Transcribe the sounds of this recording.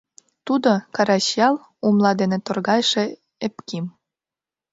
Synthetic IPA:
t̪ud̪okɑɾɑɕjɑl | umlˠɑd̪enĕt̪ŏrɣɑjʃĕ | epkim

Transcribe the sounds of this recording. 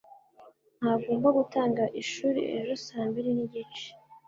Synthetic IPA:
n̥haɡo̞ːmbaɡutaːŋɡaʔiʃuɾḭʔḛɾusaːmbiɾiniɟiːnt͡ʃi̥

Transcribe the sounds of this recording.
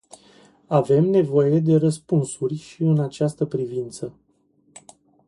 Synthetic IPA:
ave̞mne̞vo̞je̞d̪e̞ɾəspunsurʲʃiɨnat͡ʃast̪əpɾivint̪sə

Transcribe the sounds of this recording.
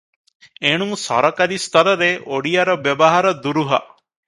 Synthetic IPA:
eɽ̃uŋsɔ̰ɾɔkaɾist̪ɔɾɔɾeʔoɽijaɾɔbjɔbɔɦaɾɔd̪uɾuɦɔ̰

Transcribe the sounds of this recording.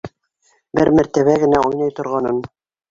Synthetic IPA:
bɘɾmæɾt̪æβæɡɘ̆næʔujnɑjt̪ŏɾʁɑnɤn

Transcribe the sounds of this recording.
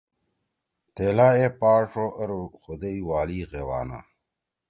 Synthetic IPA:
t̪eːlaːepaːʂoʔɐɾxud̪eiwaːliːɣewa̰ːna̰

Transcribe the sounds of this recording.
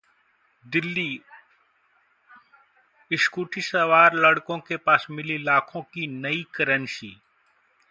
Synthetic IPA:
d̪ɪlːiː | ɪʃkuːʈʰisəʋaːɾlɐɽkõkepaːsmɪlilaːkʰõkinɐikɐɾənʃiː

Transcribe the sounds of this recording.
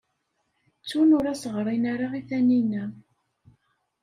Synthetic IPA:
t͡sːunʊɾæsəʁɾˤinaɾaiθæninæ

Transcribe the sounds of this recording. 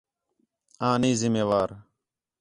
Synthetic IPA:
ãːnĩːzɪmeːʋaːɾ

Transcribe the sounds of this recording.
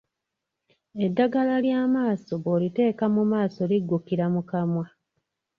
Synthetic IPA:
edːaɡalaljaːmaːso̞βoːlite̞ːkamumaːso̞liɡːukiɾamukamwa

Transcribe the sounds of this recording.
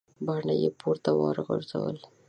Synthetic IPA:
baɳajepuɾt̪awɑɾɣəɾza̰wə̰l

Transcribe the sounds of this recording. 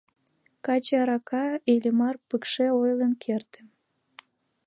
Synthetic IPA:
kɑt͡ɕeɑɾɑkʰɑelʲəmɑrpəkʃeojlənkʰert̪ə̥̆m

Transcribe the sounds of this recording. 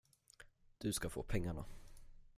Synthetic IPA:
d̪̥ɵskafo̰ːpʰɛŋːaɳa̰

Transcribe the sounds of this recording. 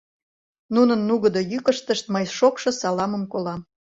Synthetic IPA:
nunənːuɣə̆d̪ojykəʃt̪əʃt̪̚məjʃokʃŏsɑlɑməmkolɑm

